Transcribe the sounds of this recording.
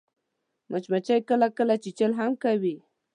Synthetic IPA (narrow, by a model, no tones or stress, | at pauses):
mat͡ʃmat͡ʃajkalakalat͡ʃɪt͡ʃalɦamkawi